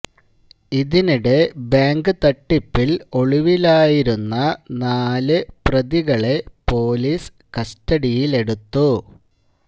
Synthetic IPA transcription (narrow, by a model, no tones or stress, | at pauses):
iðiniɽe̞baːŋɡɨt̪ɐʈːipːilo̞ɭiʋilaːjiɾunːɐnaːlɨprɐðiɣɐɭe̞po̞ːlis | kɐstɐɽijile̞ɽut̪ːu